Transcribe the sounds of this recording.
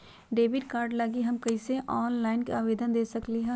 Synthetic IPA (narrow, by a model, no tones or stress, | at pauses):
ɖeːbɪʈkaːɾɖlɐɡiɦɐmkɐiseʔɔːnlaːɪnkeaːʋeːd̪ənd̪eːsɐkliɦɛ